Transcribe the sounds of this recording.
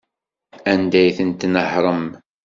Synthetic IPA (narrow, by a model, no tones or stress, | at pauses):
ænd̪æjθənt̪nəħɾˤəm